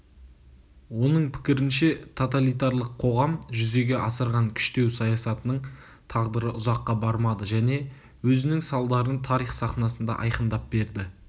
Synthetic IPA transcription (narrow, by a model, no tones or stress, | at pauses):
wo̞nəɴpʰɪ̥kʲɪɾɪnʃe̞t̪ʰot̪̬alijt̪̬ɑɾlˠəqʰːo̞ʁɑmʒʏze̞ɡʲe̞ʔɑsəɾʁɑŋkʲʰʏ̥ʃt̪e̞wsɑjɑsɑt̪ənəɴ | t̪ʰɑʁd̪əɾəʔʊzɑqːɑbɑɾmɑd̪əʒæne̞ | wɵzɪnɪŋsɑlˠd̪ɑɾənt̪ʰɑɾijχsɑχnɑsənd̪ɑ̰ʔɑ̰jqənd̪ɑp̚b̥e̞ɾd̪ɪ